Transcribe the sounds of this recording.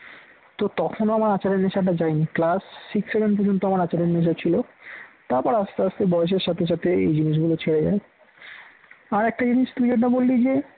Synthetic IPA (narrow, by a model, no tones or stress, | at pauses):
t̪ot̪ɔkʰonoamaɾat͡ɕaɾenneʃaʈad͡ʑajniklasːiksːebenpɔɾd͡ʑont̪oamaɾat͡ɕaɾenːeʃ̬at͡ɕʰilot̪aɾpɔɾast̪east̪ebɔeʃ̬eɾʃat̪ʰeʃ̬at̪ʰeḛjd͡ʑiniʃ̬ɡulot͡ɕʰeɽed͡ʑa̰e | aɾɛk̚ʈad͡ʑiniʃʈud͡ʒoʈabolːid͡ʑe